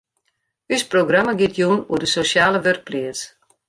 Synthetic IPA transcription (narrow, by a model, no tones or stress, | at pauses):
ysproɡraməɡɪtʰjunṵədəsosjaːləʋørk̚pliəs